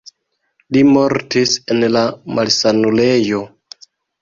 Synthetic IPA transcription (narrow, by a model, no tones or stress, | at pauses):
limo̞ɾtisenlamalsanule̞jo̞